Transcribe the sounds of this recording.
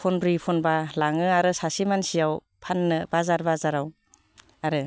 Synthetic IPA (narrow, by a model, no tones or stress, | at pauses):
pʰɔnbɾipʰɔnbalaŋɯaɾɯsasimansijaw | pʰanːɯbazaɾbazaɾaw | aɾɯ